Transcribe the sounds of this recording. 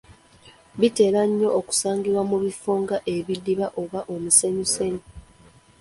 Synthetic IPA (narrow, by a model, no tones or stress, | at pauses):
βite̞ːɾaɲːo̞ʔːku̥saːŋɡiɾwamuβifuːŋɡaʔe̞βidːiβaʔo̞βaʔomuse̞ɲuse̞ɲu